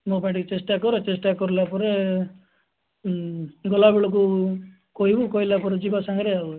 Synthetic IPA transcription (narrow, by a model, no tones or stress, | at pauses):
mõpaj̃ɳʈit͡ʃesʈakːɔɾet͡ʃesʈakːɔɾulapɔɾe | ɡɔlabiɭɔk̬u | koɦibukoilapɔɾed͡ʒibasaŋɡɾeau